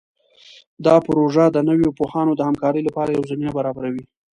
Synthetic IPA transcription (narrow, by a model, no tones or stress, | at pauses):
d̪ɑpɾoʒad̪ənəwjopohɑnod̪əhamkɑɾəjlapɑɾajawzaminabaɾɑbaɾawi